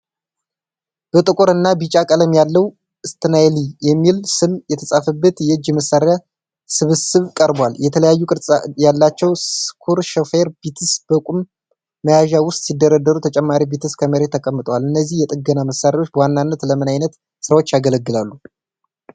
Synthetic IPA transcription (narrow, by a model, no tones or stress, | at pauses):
b̥ət̪ʼɨkʼoɾɨnːabit͡ʃʼakʼələmjalːəw | ʔɨst̪ʰɨnajlijɛmːilsɨmjɛt̪ʰəsʼafəbːət̪jɛɨd͡ʒːməsːaɾja | sɨβɨsɨβkʼəɾbwaljɛt̪ʰələjajːukʼɨɾsʼjalːat͡ʃːɛwskʰuɾʃofeɾbit̪ʰɨsb̥əkʼumː | əjaʒawʊst̪ʼsid̪ːəɾad̪ːəɾut̪ʰət͡ʃʼɛmːaɾibit̪ʰɨskʰəməɾe̞t̪ʰːəkʼəmːɨt̪ʼəwalɨnːəzːihjɛt̪ʼɨɡənaməsːaɾawo̞t͡ʃːbəwanːanːət̪ləmɨnajnət̪ | sɨɾawo̞t͡ʃːjaɡələɡːɨlalːu